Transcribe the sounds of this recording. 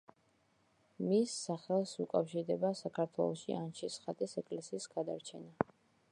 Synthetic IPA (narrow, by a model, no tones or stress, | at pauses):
misːaχɛlˠsukʼafʃiɾd̪ɛbasakʰaɾt̪ʰwɛ̰lˠɔʃḭʔant͡ʃʰisχat̪ʼisɛkʼlɛsiːsɡ̥ad̪aɾt͡ʃʰɛna